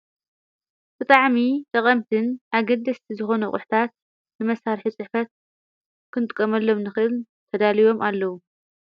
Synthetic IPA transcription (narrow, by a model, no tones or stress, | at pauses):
b̥ɨt̪ʼaʕmit̪ʼɐqʼɐmt̪ʰɨnʔaɡɐd̪ɐst̪ʰizɨxo̞nɐχʼʊħt̪ʰat̪̚ | nɨmɐsaɾħit͡sʼɨħfɐt̪̚ | kʰɨnɨt̪ʼkʼːɐmɐlːo̞mnɨxɨʔɨl | t̪ʰɐd̪alijo̞mʔalːɐwu